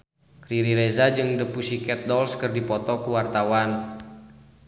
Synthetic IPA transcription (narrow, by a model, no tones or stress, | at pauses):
kɾiɾiɾezad͡ʒɨŋdəpusikɛt̪̚dɔlskɨrdipɔt̪ɔkuwart̪awan